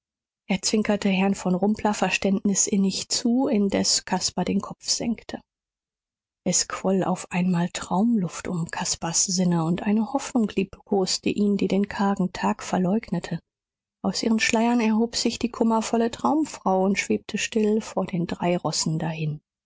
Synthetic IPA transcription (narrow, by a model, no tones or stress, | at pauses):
ʔeːɐt͡sv̥ɪŋkʰɐtʰəɦɛɐnfɔnʁʊmpʰlɐfɛɐʃtɛntnɪsʔɪnɪçt͡suːɪndɛskʰaspadeːnkʰɔp͡fz̥ɛ̰ŋktʰə | ʔɛskv̥ɔla̰ʊfʔaɪnmaːltʁ̥aʊmlʊftʊ̰mkʰaspasz̥ɪnəʊntʔaɪnəhɔfnʊŋkliːpkʰoːstəʔiːndiːdeːnkʰaːɡŋ̩tʰaːkfɛɐlɔʏɡnətʰə | ʔaʊsʔiːʁənʃlaɪɐnɛɐɦoːpz̥ɪçd̥iːkʰʊmɐfɔlətʁ̥aʊmfʁ̥aʊʊntʃv̥eːp̚tʰəʃtɪlfoːɐdeːndʁaɪʁɔsn̩dahɪn